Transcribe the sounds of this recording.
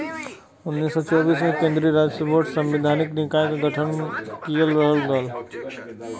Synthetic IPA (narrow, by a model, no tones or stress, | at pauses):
ʊnːiːsːɔt͡ʃɔːbiːsmẽkẽːnd̪ɾiɾaːd͡ʒsəpoːʈsɐ̃mʋɪd̪ʱaːnɪknɪkaːjkɡʱɐʈʰənkijəlɾəɦəld̪ɔːl